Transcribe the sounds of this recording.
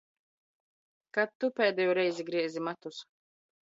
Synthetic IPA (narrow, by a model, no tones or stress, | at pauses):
kat̪ːupʲɛːd̪ʲɛjuɾɛjziɡɾiɛzimat̪us